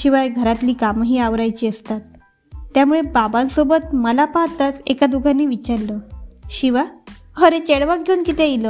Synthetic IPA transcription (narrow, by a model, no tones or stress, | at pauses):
ɕiʋajɡʱəɾat̪liːkamɦiːaʋɾajt͡ɕiːəst̪at̪ː | jamuɭebabansobət̪məlapaɦt̪at͡sekad̪uɡʱanːiːʋit͡ɕaɾləɕiʋahəɾet͡ɕeɽʋak̚ɡʱeuːnkit̪eilə